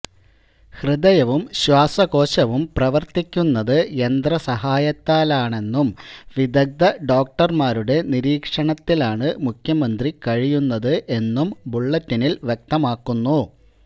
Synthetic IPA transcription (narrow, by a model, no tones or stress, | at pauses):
hrɨd̪ɐjɐʋumɕwaːsɐɣo̞ːɕɐʋumprɐʋɐrt̪ikʲːunːɐðɨe̞nd̪rɐsɐɦaːjɐt̪ːaːlaːɳe̞nːumʋid̪ɐk̚d̪ɐɖo̞ːk̚ʈɐrmaːɾuɽe̞niɾiːkʂɐɳɐt̪ːilaːɳɨmukʰjɐmɐnd̪rikɐɻijunːɐðɨʔe̞nːumbuɭːɐt̪ːinilʋjek̚t̪ɐmaːkːunːu